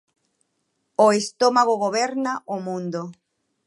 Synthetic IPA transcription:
oest̪omaɣoɣ̞oβeɾnaʔomũnd̪o

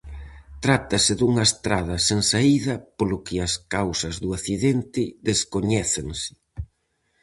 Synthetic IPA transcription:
t̪ɾat̪ɐsɪðuŋɐest̪ɾað̞ɐseŋsaiðɐpolʊkɪɐskawsɐzðuaθiðɛnt̪ɪðeskoɲɛθeŋsɪ̥

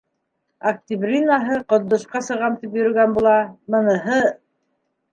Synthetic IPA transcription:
ɐk̚t̪ʲibrʲinaɦɤqŏt̪ːŏʃqɑsɤ̆ʁɑmt̪ip̬jɵ̆ɾɵ̆ɡænbulˠɑmɤ̆nɤ̆ɦɤ

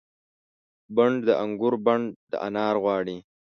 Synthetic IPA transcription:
baɳɖd̪əʔaŋɡʊɾbaɳɖd̪ə̰ʔa̰nɑːɾɣwɑːɽi

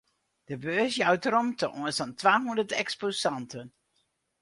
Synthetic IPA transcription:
d̥əbøːsjawtəɾɔmtəʔuənsɑntʋaːɦundərtɛksposɑntən

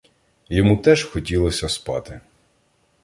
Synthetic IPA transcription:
jɔmut̪ɛʒxɔtʲilˠɔsʲɐspɑ̰t̪ɪ

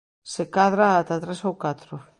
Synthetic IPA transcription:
sekaðɾaːt̪at̪ɾesowkat̪ɾo

